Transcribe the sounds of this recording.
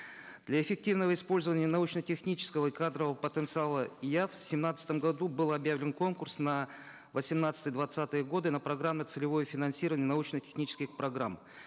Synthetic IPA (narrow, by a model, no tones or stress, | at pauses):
d̪̥lʲɐɪfʲɪk̚tʲivnəvəɪspo̞lʲzəvənʲɪənɐut͡ɕnətʲɪxnʲit͡ɕɪ̥skəvəikad̪ɾəvəəpət̪ənt̪sɨalˠəjaffsʲɪmnat̪sə̥t̪əmɡɐd̪ubɨlˠɐbjavlʲɪnko̞nkʊrsnə | vəsʲɪmnat̪st̪əjəd̪vɐt̪sat̪ɨjəɡo̞d̪ɨnəpɾɐɡɾamʲːɪt̪sɨlʲɪvo̞jəfʲɪnɐnsʲiɾəvənʲɪənɐut͡ɕnətʲɪ̥xnʲit͡ɕɪ̥skʲɪxpɾɐɡɾam